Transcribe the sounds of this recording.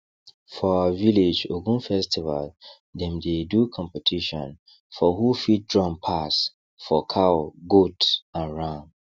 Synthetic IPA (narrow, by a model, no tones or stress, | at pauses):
fɔawaviled͡ʒoɡũnfɛstiva̰l | dɛ̃mdedukʰɔ̃mpɛtʰiʃɔ̰̃n | fɔhufit̚dɹɔ̃mpʰas | fɔkʰaɡutãnɹãŋ